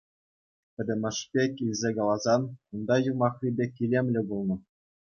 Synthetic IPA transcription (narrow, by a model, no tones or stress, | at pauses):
pʲɘ̆d̪ʲɘ̆mʲɘ̆ʂpʲekʲilʲzʲekɑlˠɑzɑnund̪ɑjumɑχrʲibʲekʲilʲemʲlʲɘ̆bulˠnɤ̆